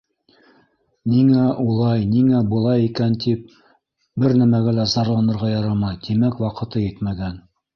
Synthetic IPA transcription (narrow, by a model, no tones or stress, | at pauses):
niŋæʔulˠɑjniŋæbŭlˠɑjikænt̪ip̚ | bɘɾnæmæɡælæzɑɾlˠɑnɤ̆ɾʁɑjɑɾɑmɑjt̪imækwɑqɤ̆t̪ɤjɘt̪mæɡæn